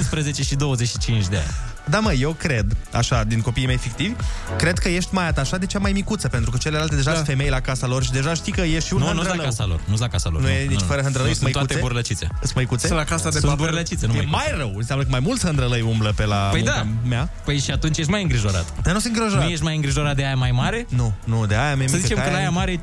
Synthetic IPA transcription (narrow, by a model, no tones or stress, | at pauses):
ɨnspɾəzet͡ʃeʃid̪o̞wəzet͡ʃʃi̥t͡ʃint͡ʃd̪ea̰nʲ | d̪aməjewkɾe̞d̪a̰ʃad̪inko̞piːjme̞jfikt̪ivʲkɾe̞d̪kəje̞ʃt̪ʲmajat̪aːʃad̪e̞t͡ʃamajmikut̪səpe̞nt̪ɾukət͡ʃele̞lalt̪e̞d̪e̞ʒafe̞me̞jlakasalo̞rʃid̪eʒaʃt̪ikəjeʃt̪ʃiunhənuɾəlaləkasa̰lo̰rnuslakasalonujenit͡ʃfəɾəɦənd̪ɾələjsməj̪aut̪eebuɾlət͡ʃit̪sḛɨsməjkut̪selakasad̪esũboɾlət͡ʃit̪senujemajrəwɨnsʲjamləkəmajmult̪shənd̪ɾələjumbləpe̞lapəjd̪amjapəjʃiat̪unt͡ʃjeʃt̪majɨŋɡɾiʒo̞ɾa̰t̪əd̪anusɨnɡɾiʒonɾaujeʃ̬t̪̚ʲmajɨŋɡɾiʒo̞ɾat̪̚d̪eajamajmaɾe̞nunud̪eajamejməziit͡ʃeakənajamaɾe